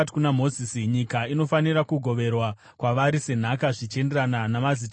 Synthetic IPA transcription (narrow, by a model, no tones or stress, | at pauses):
kunamo̞zisiɲikaino̞faniɾakuɡʱo̞ʋe̞rwa | kwaʋaɾise̞n̤akaʐit͡ʃe̞nderananamazit